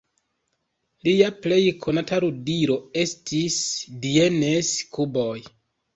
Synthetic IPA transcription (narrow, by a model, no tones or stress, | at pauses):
liaple̞jkʰo̞nataɾudiɾo̞e̞stʰisdie̞neskʰubo̞j